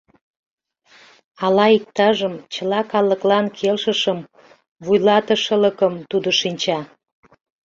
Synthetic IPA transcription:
ɑlɑik̚t̪ɑʒəmt͡ɕə̆lɑkɑləklɑnkʰelʃəʃəm | βujlɑt̪əʃələkəmt̪ud̪oʃinʲt͡ɕɑ

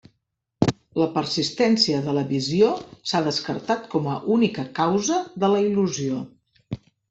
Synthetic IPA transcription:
ləpəɾsist̪ɛnsiəðələβiziosaðəskəɾt̪at̪̚kɔməʔunikəkawzəðələiluzio

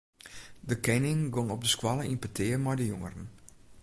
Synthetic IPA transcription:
dəkʰɛnɪŋɡoŋɔb̚dəskwalˠəʔinpətʰɪərmɛjdəjoŋəɾən

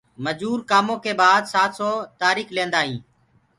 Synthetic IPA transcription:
məd͡ʒuːɾkaːmõːkeːbaːd̪saːt̪soːt̪aːɾiːklẽːnd̪aːɦĩː

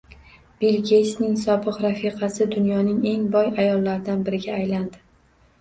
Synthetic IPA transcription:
b̥elɡʲesnɪŋsɒbɨqɾafiqʰɑsɪd̪ʊnjɒnɪŋe̞ŋbɒjajɒlˠːaɾd̪anbɪɾɪɡʲaːjland̪ɪ

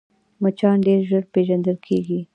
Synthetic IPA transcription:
mət͡ʃɑnɖeɾʒəɾpeʒand̪əlkʰeɡi

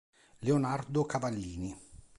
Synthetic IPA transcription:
leonard̪okavalːiːni

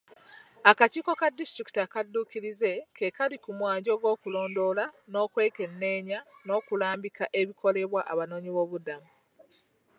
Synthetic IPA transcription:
akaciːko̞kadːistɾiki̥takadːuːkiɾize̞kʰekalikumwaːɲɟo̞ːɡo̞ːkulo̞ːndo̞lano̞ːkwe̞ːke̞nːe̞ːɲano̞ːkulaːmbikaʔe̞βikʰo̞le̞βwaʔaβano̞ːɲiβo̞ːβudamu

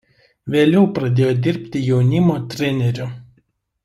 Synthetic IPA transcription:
ʋʲeːlʲɛʊpɾɐd̪ʲeːjoːd̪ʲɪɾʲpʲt̪ʲɪjɛʊnʲɪmoːt̪ʲɾʲɛnʲɛɾʲʊ

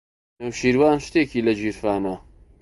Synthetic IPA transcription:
nɐwʃiːɾwaːnʃt̪eːkiːlɐd͡ʒiːɾfaːnɐ

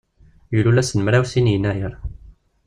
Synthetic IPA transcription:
jululæsənəmɾæwsinjənːæjəɾ

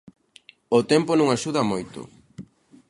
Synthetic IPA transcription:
ʊt̪ɛmponũŋaʃuðɐmojt̪ʊ̰

